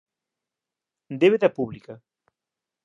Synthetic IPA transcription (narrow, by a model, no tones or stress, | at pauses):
d̪eβeðɐpuβlikɐ